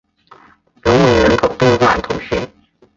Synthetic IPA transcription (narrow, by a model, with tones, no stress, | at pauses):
lʊ˧˥ŋme˨˩ɻə̰˧˥kʰo˨˩ʊt̪e˥˧xwa˥˩˨t̪ʰʊ˧˥ŋɕɛ˧˥